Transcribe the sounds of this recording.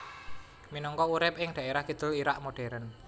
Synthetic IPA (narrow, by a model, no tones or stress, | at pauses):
minɔŋkɔuɾɪp̚ʔɪŋɖ̥a̤ʔeɾahɡid̪̥ʊliɾaʔmoɖ̥ɛɾən